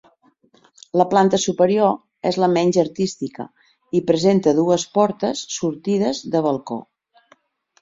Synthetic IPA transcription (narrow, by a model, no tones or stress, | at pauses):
ləplant̪əsupəɾio | ezləmɛnʲʒəɾt̪ist̪ikə̰ | ipɾəzent̪əðuəspɔɾt̪əsːuɾt̪iðəzðəβəlˠko̰